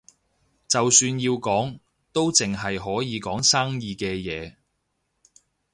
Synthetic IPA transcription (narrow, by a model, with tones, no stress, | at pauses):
t͡sɐ˨wsyː˧njiː˧wkɔː˨˥ŋ | t̪o˥wt͡sɪ˨ŋɦɐ˨jɦɔː˨˥jiː˨˧kɔː˨˥ŋsaː˥ŋjiː˨˧kɛː˧jɛː˨˧